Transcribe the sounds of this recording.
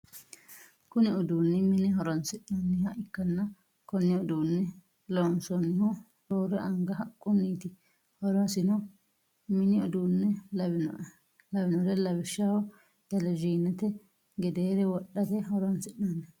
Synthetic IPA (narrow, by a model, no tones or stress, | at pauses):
kʊnɪʊd̪uːnːɛmɪnɪɦɔɾɐnsɪɗnanːɛhɐʔɪkːɐnːɐ | kɔnːɪɔd̪uːnːɛ | lonsɔnːɪhʊ | ɾoːɾɛʔɐŋɡɐɦɐkʼːʊnːiːt̪ɪ | hɔɾɐsɪnɔ | mɪnɪɔd̪uːnːɛlɐ | lɐbɪnɔɾɛlɐbɪʃːahɔ | d̪̥ɐlɛd͡ʒiːnːɛt̪ɛ | ɡɛd̪eːɾɛwɔɗːɐt̪ɛhɔɾɔɐnsɪɗnanːɛ